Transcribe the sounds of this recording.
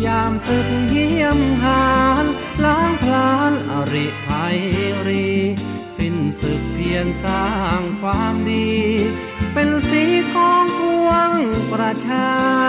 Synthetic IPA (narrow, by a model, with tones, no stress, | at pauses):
jaː˧msɯ˨˧˩k̚ɦi˧˥˩əmɦaː˧˦n | laː˧˥ŋkʰlaː˧˦˥nʔa̰˧˩ɾi˧˩pʰa˨˧˦jɾi˧ | si˧˩nsɯ˨˩k̚pʰi˧ənsaː˧˩ŋkʰwaː˧mdiː˧ | pe˧nsiː˨˧˦kʰɔː˧˥ŋku˧əŋpɾa˧t͡ɕʰaː˧